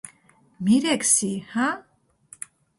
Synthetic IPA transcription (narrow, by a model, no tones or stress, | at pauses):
miɾɛksihã